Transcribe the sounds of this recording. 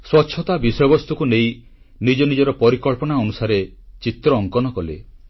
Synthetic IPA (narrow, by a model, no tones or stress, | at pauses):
swɔtːʃʰɔt̪abisɔjɔbɔst̪ukunej | nid͡ʒɔnid͡ʒɔɾɔpɔɾikɔɭpɔɽ̃aɔnusaɾe | t͡ʃit̪ɾɔːŋkɔnɔkɔlḛ